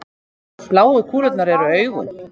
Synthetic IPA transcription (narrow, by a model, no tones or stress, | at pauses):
plaːwʏkʰuːlœt̪naɾɛɾʏœːɥɣʏ̰n